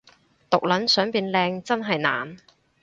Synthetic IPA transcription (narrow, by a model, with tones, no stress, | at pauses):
t̪ʊ˨k̚lɐ˨˥nsœː˨˥ŋpiː˨˧nlɛː˧ŋt͡sɐ˥nɦɐ˨jna̰ː˨n